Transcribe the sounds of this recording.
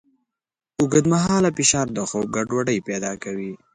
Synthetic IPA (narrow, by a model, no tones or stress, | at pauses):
ʊɡəd̪maɦɑlapɪʃɑːɾd̪əxob̚ɡaɖwaɖəjped̪ɑkawi